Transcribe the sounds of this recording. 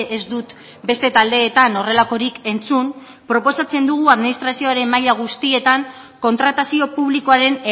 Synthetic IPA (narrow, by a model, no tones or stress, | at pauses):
ʔezd̪ut̪ | be̞st̪e̞t̪ald̪e̞ːt̪ano̞re̞lako̞ɾike̞nt͡sun | pɾo̞po̞sat͡se̞nd̪uɣ̞uaðminist̪ɾasio̞aɾe̞mːaʎaɣ̞ust̪ie̞t̪aŋ | ko̞nt̪ɾat̪asio̞puβliko̞aɾe̞ne